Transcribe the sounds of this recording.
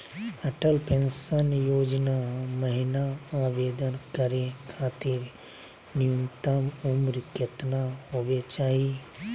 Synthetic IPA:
ɐʈəlpẽnʃənjoːd͡ʒnaməɦɪnaaːʋeːd̪ənkəɾekʰaːt̪ɪɾ | nɪjʊnt̪əmʊmɾkɪt̪naɦoːʋet͡ʃaːɦi

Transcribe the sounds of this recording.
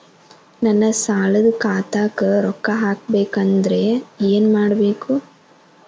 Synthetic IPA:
nɐnːɐsaːlɐd̪ɐkaːt̪aːkɐɾɔkːɐɦaːk̚beːkɐnd̪ɐɾe̞eːnmaːɽɐbeːku

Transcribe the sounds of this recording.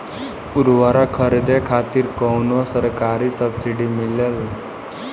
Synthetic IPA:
puɾʋaɾakʰəɾid̪ekʰat̪iːɾkɔwnosəɾkaɾisəbsiɖimilel

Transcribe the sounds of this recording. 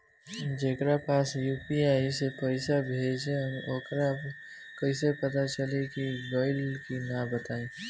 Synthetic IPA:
d͡ʒeːkɾapaːsjuːpiaːisepəɪsabʱed͡ʒẽəmʔoːkɾa | kəɪsepət̪at͡ʃəlekibɔɪlkinabət̪aːẽ

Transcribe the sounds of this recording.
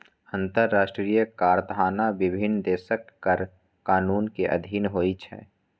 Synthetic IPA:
ə̃nt̪əɾːaːʃʈɾijəkaːɾd̪ʱaːnaʋɪbʱɪnd̪eːʃəkːəɾ | kaːnuːnkeʔɐ̰d̪ʱiːnɦoːit͡ʃʰɛ̰ː

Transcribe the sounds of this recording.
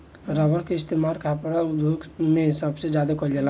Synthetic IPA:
ɾəbəɽkeɪst̪emaɾkʰapɾaud̪joɡmesəbsed͡ʒad̪akɔld͡ʒala

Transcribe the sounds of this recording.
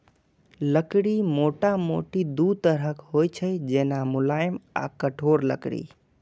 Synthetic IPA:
ləkɽimoʈamoʈid̪ud̪̚t̪əɾəkɦojt͡ʃʰəjd͡ʒenamʊlaɪma̰kəʈʰoɾlə̰kɽḭ

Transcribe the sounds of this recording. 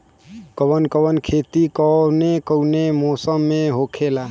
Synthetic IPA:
kɔbənkəbənkʰet̪ikɔnekəwnemɔsəmːẽɦokʰela

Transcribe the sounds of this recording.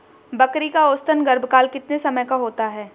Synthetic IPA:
bɐkɾikaoːst̪ənɡɐɾbʱkaːlkɪt̪nesɐməjkaɦoːt̪aɦɛː

